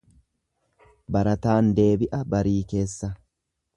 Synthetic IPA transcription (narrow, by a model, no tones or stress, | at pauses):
bɐɾɐt̪aːnd̪e̞ːbɪʔɐbɐɾiːke̞ːsːɐ